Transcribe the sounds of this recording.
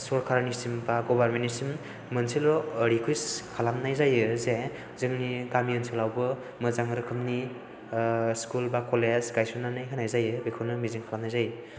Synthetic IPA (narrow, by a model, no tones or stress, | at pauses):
sɔɾkʰaɾnisimbaɡɔbaɾmentisim | mɯnsilɔɾikʰujskʰalamnajzajɯze | zɯŋnikamiɯnsʰelawbɯ | mɯzaŋɯɾɯkʰɯmni | skulbakɔlezɡajsunanajɦʰanajzajɯbekʰɔɾnɯmizɯŋkʰalamnajzajɯ